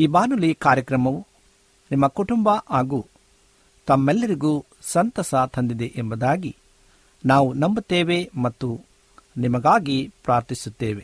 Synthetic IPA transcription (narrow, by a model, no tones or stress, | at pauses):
iːbaːnulikaːɾjɐkɾɐmɐʋu | nimːɐkuʈumbɐʔaːɡuː | t̪ɐmːɛlːɐɾiɡuː | sɐnt̪ɐsɐt̪ʰɐnd̪id̪eʔembɐd̪aːɡi | naːʋunɐmbut̪ːeːʋemɐt̪ːu | nimɐɡaːɡipɾaːɾt̪isut̪ːeːʋe